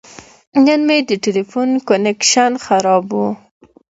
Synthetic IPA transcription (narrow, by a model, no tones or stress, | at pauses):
nanmed̪əʈelifunkonekʃanxaɾɑbu